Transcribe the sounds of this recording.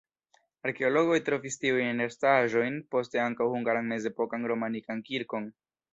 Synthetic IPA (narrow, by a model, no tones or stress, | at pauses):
aɾke̞o̞lo̞ɡo̞jtɾo̞vistiujnneɾstaʒo̞jnpo̞ste̞aŋkawhuŋɡaɾanme̞ze̞po̞kanɾo̞manikankiɾko̞n